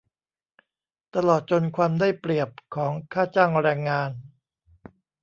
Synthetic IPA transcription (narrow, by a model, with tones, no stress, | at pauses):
t̪a˧lɔː˨˩t̪̚t͡ɕo˧nkʰwaː˧mdaː˥˩jpɾi˨˩əp̚kʰːɔː˩˦ŋkʰaː˥˩t͡ɕaː˥˩ŋɾɛː˧ŋːaː˧n